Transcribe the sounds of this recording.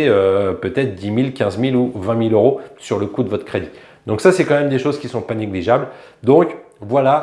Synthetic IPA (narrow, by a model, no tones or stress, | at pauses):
eøpøt̪ɛt̪χd̪imilkʲɛ̃zmiluvɛ̃miløʁosyʁləkud̪əvɔt̪χəkχed̪i | d̪ɔ̃ksasɛkɑ̃mɛmd̪eʃozkʲisɔ̃paneɡliʒabld̪ɔ̃k | vwala